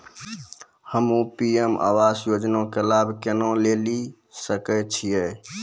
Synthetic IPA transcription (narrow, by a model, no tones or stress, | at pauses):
həmupiemʔa̰wasjod͡ʒnõkelabʱkenõleli | səkɛt͡ʃʰijɛ